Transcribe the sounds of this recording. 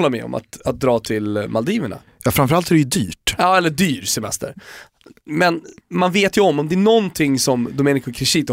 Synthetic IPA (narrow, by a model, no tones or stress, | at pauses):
lːaɾmɛ̰ɔ̰ma̰t̪at̪̚d̪ɾɑːt̪ʰɪlmald̪iːvəɳa̰ | jɑːfɾamfœɾalt̪æɾɛjɵd̪yːʈjɑːɛlːəɖ̪yːɾsɛmɛ̰st̪ə̰ɾ | mɛnmanveːt̪jɵɔmːɔmd̪ɛæɳɔnt̪ʰɪŋːsɔmd̪ʊmeːnɪkʊkʰɾɪʂiːt̪